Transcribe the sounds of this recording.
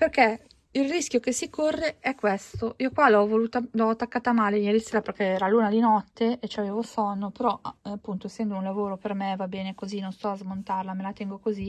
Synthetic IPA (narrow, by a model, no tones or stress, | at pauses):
perkɛ | ilrisk̟jokesikorːeʔɛkːwest̪oʔiːokwalɔvoluːt̪alaɔt̪ːakːaːt̪amaːlemieɾiselaperkɛɛːɾaluːnad̪inɔt̪ːeet͡ʃaveːvosɔnːopeɾɔaapːunt̪osɛnd̪ounlavoːɾopermevabeːnekozinonst̪ɔazmont̪arlamelat̪ɛŋɡokozi